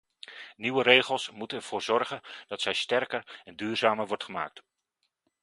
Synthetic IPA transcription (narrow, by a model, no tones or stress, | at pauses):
niʋəɾejχəlˠsmutənɛɹv̥oːɹzɔɹχənd̥ɑtsɛjstɛrkəɹɛndyːɹzaːməɹʋɔɹtχəma̰ːk̚t